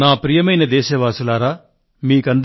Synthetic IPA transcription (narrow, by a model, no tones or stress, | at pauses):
naːpɾijɐmɐjnɐd̪ɛːʃɐʋaːsulaːɾaː | miːkɐnd̪